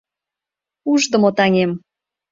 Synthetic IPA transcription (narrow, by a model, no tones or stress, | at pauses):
uʒd̪ə̆mot̪ɑnʲem